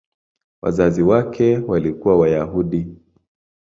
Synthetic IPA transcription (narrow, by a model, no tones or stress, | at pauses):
wa̰zaziwakʰɛwalikuwawajaɦuɗi